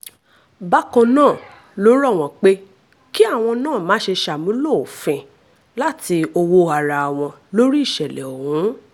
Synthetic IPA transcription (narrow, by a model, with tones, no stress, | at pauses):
ba˦kɔ̃˧nãː˦˨ | lo˨˦ɾɔ˦˨w̃ɔ̃˧k͡pe˦ | ki˦a˦˨w̃ɔ̃˧nãː˦˨mãː˨˦ʃe˧ʃa˨mũ˨˦lo˦˨o˨fɛ̃˨ | la˦ti˧o˧wo˧a˨ɾa˨a˨w̃ɔ̃˧lo˦ɾi˦i˦˨ʃɛ˨lɛ˨o˨hũ˨˦